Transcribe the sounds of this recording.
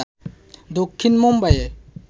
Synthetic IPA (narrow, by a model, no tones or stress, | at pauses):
d̪okʰːinmɔmbaje